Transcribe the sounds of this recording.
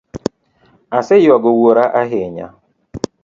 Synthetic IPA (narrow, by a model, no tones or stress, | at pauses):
asɪjwaɡowoɾaʔaɦeɲa̰